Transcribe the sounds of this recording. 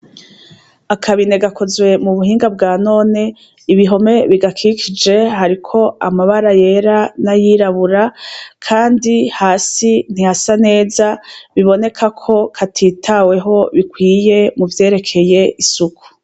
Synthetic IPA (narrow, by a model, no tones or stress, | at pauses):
akʰaβine̞ɡakʰo̞zwe̞muβuhiːŋɡab̚ɡaːno̞ːne̞ | iβiɦo̞me̞βiɡakʰikʰid͡ʒe̞ɦaɾikʰo̞amaβaɾaje̞ɾanajiːɾaβuɾakʰaːndihaːsin̥ihasane̞ːzaβiβo̞ne̞kʰakʰo̞kʰatʰiːtʰawe̞ɦo̞βikwiːje̞muvje̞ːɾe̞kʰe̞je̞ʔisukʰu̥